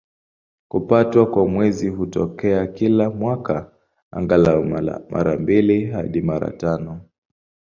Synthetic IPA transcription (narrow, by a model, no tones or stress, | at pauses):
kupatwakwamwɛzihutɔkɛakilamwaka | a̰ŋɡalamʔa̰ɾambiliɦaɗimaɾa̰tanɔ